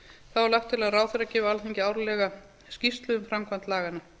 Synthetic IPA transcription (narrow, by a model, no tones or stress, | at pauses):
θavaɾlawt̪ʰːɪlaðraːwθeɾacɪːvaalθiɲcɪaːwɾʏlɛɣa | scist̪lʏðʏmfɾamkʰvant̪laːɣana